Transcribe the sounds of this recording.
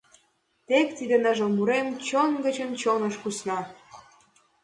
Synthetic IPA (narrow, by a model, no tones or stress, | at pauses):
t̪ekt̪id̪ĕnəʒə̆muɾemt͡ɕonɡə̆t͡ɕə̆nt͡ɕonəʃpusnɑ